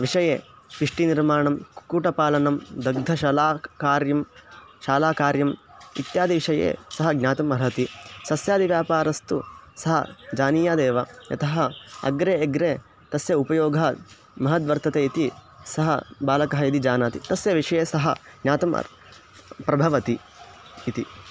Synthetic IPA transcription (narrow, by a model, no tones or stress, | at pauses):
ʋiʂɐjeː | pɾiʂʈiniɾmaːɳɐmkuːʈɐpaːlɐnɐmd̪ɐɡ̚d̪ʱɐʃɐlaːkaːɾjɐmʃaːlaːkaːɾjɐmḭt̪jaːd̪iʋiʂɐjḛːsɐɦɐɡnʲaːt̪ɐmɐɾɦɐt̪isɐsjaːd̪iʋjaːpaːɾɐst̪usɐɦɐ̰d͡ʒaːnijaːd̪eːʋɐjɐ̰t̪ʰɐɦɐɐ̰ɡɾeːɡɾeː | t̪ɐsjɐupɐjoːɡʱɐɦɐ | mɐɦɐt̪ʋɐɾt̪ɐt̪eːit̪i | sɐɦɐ̰baːlɐkɐɦɐid̪id͡ʒaːnaːt̪it̪ɐsjɐʋiʂɐjeːsɐɦɐ̰ɡnʲaːt̪ɐmɐ̰ | pɾɐbʱɐʋɐt̪i | it̪i